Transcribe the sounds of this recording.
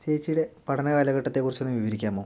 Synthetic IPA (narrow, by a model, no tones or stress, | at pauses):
t͡ɕeːt͡ɕːiɽe̞pɐʈʰɐnɐkaːlɐɣɐʈːɐt̪ːekːurit͡ɕːe̞nːɨmʋiʋɐɾikʲːaːmoː